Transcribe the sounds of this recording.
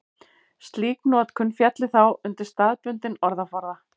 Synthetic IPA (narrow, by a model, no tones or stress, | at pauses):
st̪liːknɔːt̪kʰʏnːfjɛt̪lɪθawʏnt̪ɪɾ̥st̪aːðpʏnt̪ɪnɔɾðafaɾða